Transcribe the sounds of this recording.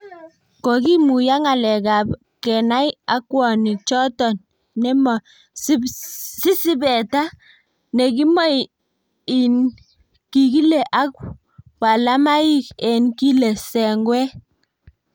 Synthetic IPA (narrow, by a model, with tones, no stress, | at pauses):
kɔ˨ki˦mu˨ja˦ŋa˨lɛ˨ka˨p | kɛ˨na˦ja˦kwɔ˨ni˨t͡ʃɔ˦tɔ˨nː | ɛ˦mɔ˨ | ssi˦si˦bɛ˨ta˦ | nɛ˨k̬i˦mɔ˦˨j | i˨n | ki˨ki˦le˨ʔa˦k̚ | wa˨la˦ma˦ji˦kɛ˨nki˦le˨sɛ˨ŋɡwɛ˦